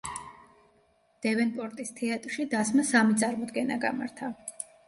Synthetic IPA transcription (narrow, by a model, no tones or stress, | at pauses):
d̪̥ɛvɛnpʼɔɾt̪ʼist̪ʰɛat̪ʼɾʃid̪asmasamit̪sʼaɾmɔd̪ɡɛna̰ɡa̰maɾt̪ʰa